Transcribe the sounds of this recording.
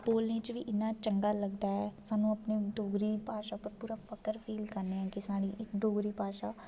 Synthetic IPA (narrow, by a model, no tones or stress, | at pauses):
boːlneːt͡ʃʋiːʔɪnːãːt͡ʃəŋɡaːləɡd̪aːɦɛːsaːnũːəpneːɖoːɡɾiːpaːʃaːpəɾpuːɾaːpʰəkəɾpʰiːlkəɾneːɛ̃ːkɪsaːɽ̃iːʔɪkɖoːɡɾiːpaːʃaː